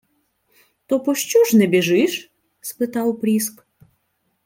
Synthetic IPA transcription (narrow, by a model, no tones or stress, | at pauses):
t̪opoʃt͡ɕuʃnɛbʲeʒɨʃ | spɨt̪ɑlˠpɾʲisk